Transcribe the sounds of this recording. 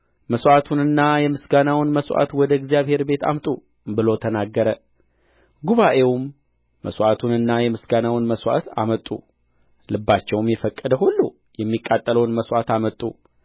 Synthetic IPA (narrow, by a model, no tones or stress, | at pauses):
məsʔat̪ʰunɨnːajɛmɨsɡanawnməswʔa̰t̪wɔd̪əɡzijaβhe̞ɾbe̞t̪a̰mt̪ʼu | bɨlo̞t̪ʰənaɡːəɾə | ɡuβaʔe̞wʊmː | ə̰swʔat̪ʰunɨnːajɛmɨsɡanawnməswa̰t̪ʰa̰mət̪ʼːṵ | lɨbːat͡ʃːɛwmjɛfəkʼːəd̪əhulːu | jɛmːikʼːat̪ʼːələwnməswat̪amət̪ʼːṵ